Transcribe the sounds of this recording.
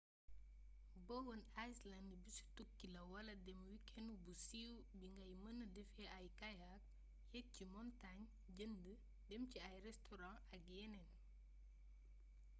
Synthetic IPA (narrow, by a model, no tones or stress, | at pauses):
bɔwənajslandbisu̥tukːilɐwɐlɐdɛmwikɛnubusiːw | biŋɡɐjmənədɛfɛʔɐjkɐjak̚ | hɛt̚cimɔntaɲ | ɟəndə | dɛmciɐjrɛstʰɔɾã | ɐk̚jɛnɛn